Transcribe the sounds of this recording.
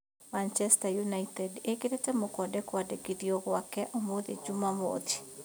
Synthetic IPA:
mant͡ʃɛstajunaitɛdekedet͡ʃamɔkɔdɛkwadekidioɡwakɛʔɔmod̪ed͡ʒumamo̰t̪i̥

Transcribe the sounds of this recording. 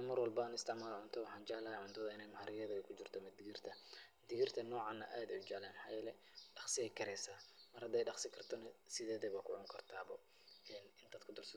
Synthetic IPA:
nɐmɐrwɑlbɐnɪst̪ʰɛʕmaːlʕʊnt̪ʰɔwɑħɑːnt͡ʃɐʕlɐhɛʕʊnd̪ʰɐðɐɪnɛjmɐħaɾɪɣɛðɐɐkʰʊt͡ʃɪrt̪ʰɔmɐd̪ɪɣirt̪ʰɐmd̪ɪɣirt̪ʰɐnɔːʕɑnɐʔaːd̪ɛʊd͡ʒɐʕlaːmħɑːjɛlɛ | ɖɑχsɪɛjkʰɐɾɛsaːmɐrhɐd̪ɛjɖɑχsɪkʰɐrt̪ʰɔnɐsɪðɛːðɛβakʰʊʕʊŋkʰɐrt̪ʰaːβɔ | ʔɛːnɪnd̪ɐd̪kʰʊd̪ɔrsɐ

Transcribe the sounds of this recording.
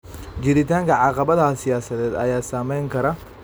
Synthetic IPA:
d͡ʒɪɾɪt̪aːŋkɐʕɑqɐbɐðɐsɪjaːsɐðɛːd̪ɐ̰jaːsaːmɛjŋkʰɐɾɐ

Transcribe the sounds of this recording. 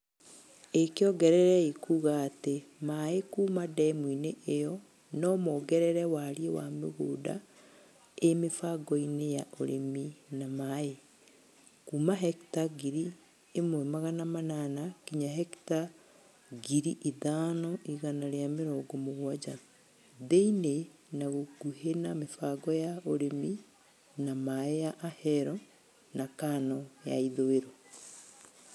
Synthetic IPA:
ekeɔɡɛɾɛɾɛikuɣaːtemaekuːmadɛmwineʔejɔ | nɔmɔɡɛɾɛɾɛwaɾiewa̰mḛɣoːda̰ | emefaɡɔinejaʔo̰ɾḛminamae | kuːmaɦɛktaɡiɾi | emwemaɣanamananakiɲaɦɛkta | ɡiɾiʔiðaːnɔʔiɣanaɾeameɾɔːɡomoɣwad͡ʒa | ðeinenaɣoɡ̥uhenamefaɡɔjaoɾemi | namaejaʔahɛɾɔ | nakanɔja̰iðoeɾo

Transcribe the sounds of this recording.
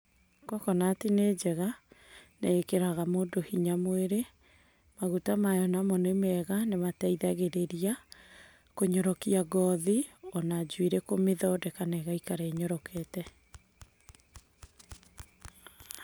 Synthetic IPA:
kɔkɔnatined͡ʒɛɣaneekeɾaɣamondohiɲamweɾe | maɣutamajɔnamɔnemɛɣanemataiðaɣeɾeɾia | koɲɔɾɔkiaɡɔðiɔnad͡ʒwiɾekomeðɔdɛkanɛɣaikaɾeːɲɔɾɔkʰɛtɛ

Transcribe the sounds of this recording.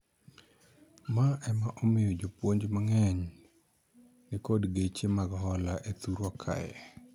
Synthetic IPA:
maɛmaʔɔmɪjɔd͡ʒopwoɲd͡ʒmaŋɛɲ | nɪkɔdɡet͡ʃemaɡɦɔlaʔet̪uɾwakʰa̰jɛ̰

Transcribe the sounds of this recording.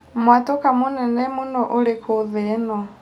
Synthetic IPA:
mwatɔkamʊnɛnɛmunɔʔulekʰuðɛnɔ

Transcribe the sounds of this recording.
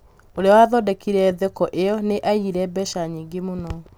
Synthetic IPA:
oɾeɔwaðɔdɛkiɾɛðɛkɔʔeɔneʔaiɾɛbɛʃaɲiːŋɡemonɔ

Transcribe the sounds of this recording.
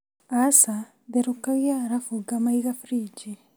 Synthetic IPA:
asa | deɾukaɣijaɾafuɡamaiɣafɾiːd͡ʒi

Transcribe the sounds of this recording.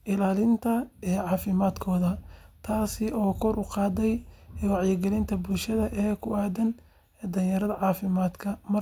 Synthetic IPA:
ʔɪlaːlɪnt̪ʰɐɛːʕɑːfɪmaːd̪kʰɔːðɐt̪ʰaːsɪɔːkʰɔrʊqɑːd̪ɛjwɑʕjɪɡɛlɪnt̪ʰɐbʊlʃɐðɐʔɛːkʰʊʔaːd̪ɐn | ɛːd̪ɐnjɐɾɐðɐʕɑːfɪmaːd̪kʰɐmɐ

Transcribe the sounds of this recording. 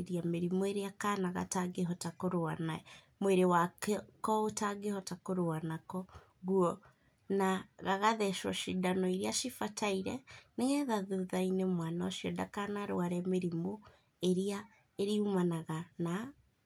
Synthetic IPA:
ɾiameɾimoeɾeakanaɣa̰taɡeɦɔtakoɾoana | mweɾewakkɔotaɡehɔtakoɾoanakɔ | ɣuɔ | naɣaɣaðɛʃwɔ̰ʃidanɔiɾeaʃifataiɾɛneɣɛðaðoðainemwanaʃijɔda̰kanaɾo̰aɾɛmeɾimo | eɾea | eɾiumanaɣana

